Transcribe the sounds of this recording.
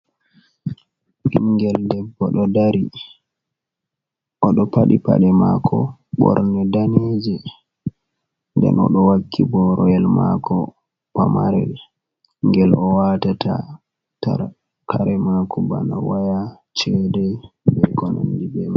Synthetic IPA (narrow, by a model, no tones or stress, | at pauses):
ʔimɡɛldɛbːɔɗɔdaɾi | ʔɔɗɔpaɗipa̰ɗɛmakʰɔɓɔ̰ɾnɛdaneːd͡ʒɛ | ndɛ̰nɔɗɔwakʰːibɔɾɔjɛlmakʰɔ | pamaɾɛ | ŋɡɛlɔwatatʰa̰ | ta | kʰaɾɛmakʰɔba̰nawaja | t͡ʃɛdɛbɛkɔnandibɛma